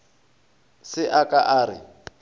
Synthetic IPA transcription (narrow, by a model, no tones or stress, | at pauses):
sɪʔakʼaʔaːrɪ̰